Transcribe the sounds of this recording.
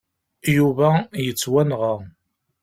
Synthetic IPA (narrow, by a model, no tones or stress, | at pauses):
juvæjət͡sːwænʁə